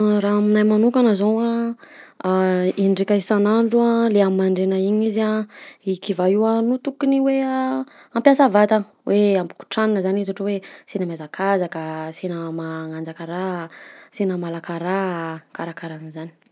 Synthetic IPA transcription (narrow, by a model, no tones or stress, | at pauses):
ɾaaminajmanukanəzowa | iɳɖ͡ʐekaisanaɳɖ͡ʐualeammaɳɖ͡ʐenaiɲizaikivaiwanut̪ukiniwe | ampjasavat̪a | wʔeampu̥ku̥ʈ͡ʂaninəzanizaʈ͡ʂuwesenamjazakʰazakasenəmaŋand͡zakaɾasenəmalakaɾakaɾakaɾanizani̥